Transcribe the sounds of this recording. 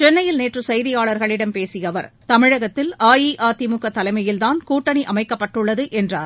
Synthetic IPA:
t͡ʃɛnːɐjɪlneːʈrɯsɐjðɪjaːɭɐɾɣɐɭɪɽɐmpeːsɪjɐʋɐɾt̪ɐmɪɻɐɣɐt̪ːɪlaːjiːʔaːt̪ɪmʊkːɐt̪ːɐlɐɪmɐjɪlt̪aːnkuːʈːɐɳiʔɐmɐɪkːɐpːɐʈːɯɭːɐðɯʔɛndraːɾ

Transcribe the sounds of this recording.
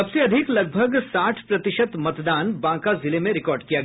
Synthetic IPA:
ɐbseɐd̪ʱɪklɐɡ̚bʱəɡsaːʈʰpɾɐt̪ɪʃət̪mɐt̪d̪aːnbãːkazɪlemẽɾɪkɔːɾɖkijaɡɐj

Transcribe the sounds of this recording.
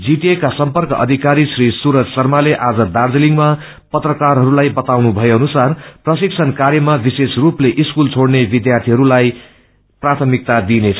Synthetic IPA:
d͡ziʈiekasʌmpʌrkʌʔʌ̰d̪ʱikaɾisrisuɾʌd͡zsʌrmaleʔad͡zʌd̪ard͡zʌliŋɡma | pʌt̪rʌkarɦʌɾulajbʌt̪awnubʱʌjeʌnusarprʌsiksʰʌnkaɾjʌmabisesrupleʔiskult͡sʰoɽnebid̪jart̪ʰiɦʌɾulaj | prat̪ʰʌmik̚t̪ad̪inet͡sʰʌ

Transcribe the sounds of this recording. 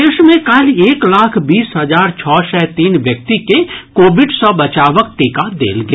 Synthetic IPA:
eːʃmẽkaːlieːklaːkʰbiːsɦɐzaːɾt͡ʃʰɔːʃɛːt̪iːnʋjək̚t̪ikekoːbɪɖsɔ̃bɐt͡ʃaːʋək̚t̪eːkad̪ḛːlɡ

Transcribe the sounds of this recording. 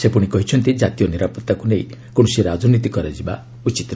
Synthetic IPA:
sepuɽ̃ikɔɦit͡ʃʰɔnt̪id͡ʒat̪ijɔniɾapɔt̪ːakunejkõsiɾad͡ʒɔnit̪ikɔɾad͡ʒiba̰ | ut͡ʃit̪

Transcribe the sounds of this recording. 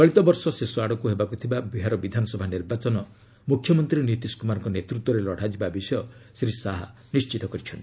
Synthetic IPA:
kɔɭit̪ɔbɔɾsɔsesuaɽɔkuɦebakut̪ʰibabiɦaɾɔbid̪ʱanɔsɔbʱaniɾbat͡ʃɔnɔ | mukʰːjɔmɔnt̪ɾinit̪iskumaɾɔŋkɔnet̪ɾut̪wɔɾelɔɽ̤ad͡ʒibabisɔjɔsɾisaɦa̰ | nist͡ʃit̪ɔkɔɾit͡ʃʰɔnʈii̥

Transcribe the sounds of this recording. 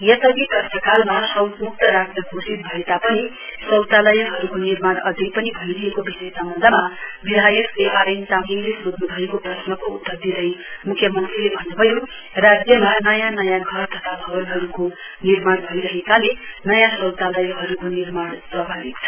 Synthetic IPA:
jʌsʌɡik̪ʌrt̪ʌkalmasʌwt̪muk̚t̪ʌɾasʈʌɡʱosit̪̚bʱʌet̪apʌni | sʌwt̪alʌjʌɦʌɾukonirmaɽʌd̪ʱik̚pʌnibʱʌjɾijekobisejsʌmbʌnd̪ʱʌmabid̪ʱajʌkleʔaɾʌnt̪amɡiŋlesod̪nubʱʌekoprʌsnʌkout̪ːʌrd̪id̪ʌjmukʰːjʌmʌnt̪rilebʱʌnubʱʌjo | rad͡zjʌmanʌjanʌjãɡʱʌrt̪ʌt̪ʰabʱʌbʌnɦʌɾuko | nirmaɽbʱʌjɾʌɦekalenʌjãsʌwt̪alʌjʌɦʌɾukonirmaɽsrʌbʱabik̚t͡sʰʌ

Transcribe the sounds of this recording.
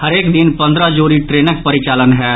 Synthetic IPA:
həɾeːkd̪ɪnpə̃nd̪ɾəd͡ʒuːɾiʈɾeːnək̚pəɾɪt͡ʃaːlənɦɛː

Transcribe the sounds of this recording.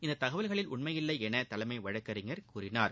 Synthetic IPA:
ɪnd̪ɐt̪ːɐɣɐʋɐlɣɐɭɪlʊɳmɐjɪlːɐɪɛnɐt̪ɐlɐmɐɪʋɐɻɐkːɐriŋɡɐɾkuːrɪnaːɾ

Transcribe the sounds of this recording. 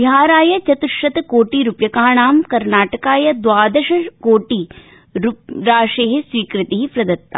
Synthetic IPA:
iɦaːɾaːjɐt͡ʃɐt̪uʃːɐt̪ɐkoːʈiɾupjɐkaːɳaːmkɐɾnaːʈɐkaːjɐd̪ʋaːd̪ɐʃɐkoːʈi | ɾuɾaːʂeːɦesʋiːkɾɪt̪iɦipɾɐd̪ɐt̪ːa̰

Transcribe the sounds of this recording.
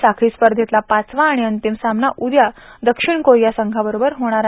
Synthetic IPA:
sakʰiːspəɾd̪ʱit̪lapat͡sʋãːɽ̃iənt̪imsamnaʔud̪jad̪əkʂiɳkojjasəŋɡʱabəɾobəɾɦoɽ̃aɾa

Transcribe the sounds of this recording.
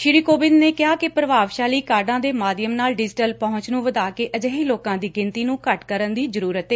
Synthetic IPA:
ʃɪɾiːkoːbɪnneːkɪɦaːkɪpɾəʋaːʋʃaːliːkaːɾɖãːd̪eːmaːd̪jəmnaːlɖɪd͡ʒʈəlpɔɦʊ̃ɲt͡ʃnũːʋəd̪aːkeːʔəd͡ʒəːɦiːloːkãːd̪iːɡɪnt̪iːnũːkəʈkəɾənd̪iːzəɾuːɾət̪eː

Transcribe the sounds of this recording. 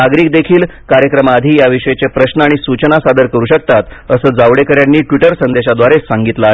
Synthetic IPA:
aɡɾiːk̚d̪ekʰiːlkaɾjəkɾəmaːd̪ʱiːjaʋiʂəjet͡sepɾəɕnəaɽ̃isut͡ɕənasad̪əɾkəɾuːɕək̚t̪at̪əsəːd͡zaʋɽekəɾjanːiːʈʋiʈəɾsənd̪eɕad̪ʋaɾesaŋɡit̪laa

